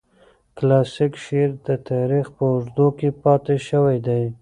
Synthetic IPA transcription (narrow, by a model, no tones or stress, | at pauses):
klasɪkʃeɾd̪ət̪ɑɾixpəʊʐd̪okepɑt̪eʃəwajd̪aj